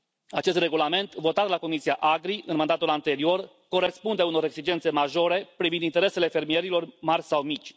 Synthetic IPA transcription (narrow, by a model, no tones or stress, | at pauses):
at͡ʃe̞s̬t̪re̞ɡulame̞nt̪vo̞t̪at̪lako̞misiaʔaɡɾiʔɨnmand̪at̪ulant̪e̞ɾio̞r | ko̞ɾe̞spund̪e̞uno̞ɾe̞ɡsid͡ʒe̞nt̪se̞maʒo̞ɾe̞pɾivind̪int̪eɾe̞se̞le̞fe̞rmie̞ɾilo̞rmarʲsawmit͡ʃʲ